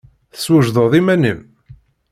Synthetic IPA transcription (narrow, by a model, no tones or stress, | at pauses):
θə̥swəʒðˤəðˤimænəm